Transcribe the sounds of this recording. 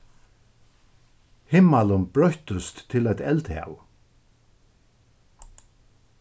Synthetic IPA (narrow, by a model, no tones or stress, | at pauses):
hɪmːalənbɾœht̪əst̪ːʰɪlɛt̪ɛlt̪hɛ̰ːw